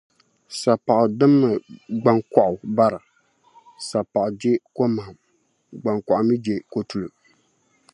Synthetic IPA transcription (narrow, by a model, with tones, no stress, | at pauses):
sa˨pa˨ʔʊ˨dɨ˦mːɨ˨ɡ͡ba˨ŋkɔ˨ʔʊ˨ba˦ɾa˨ | sa˨pa˨ʔʊ˨d͡ʒe˦ko˦ma˨m | ɡ͡ba˨ŋkɔ˨ʔʊ˨mi˦d͡ʒe˨ko˦tu˨lɨ˨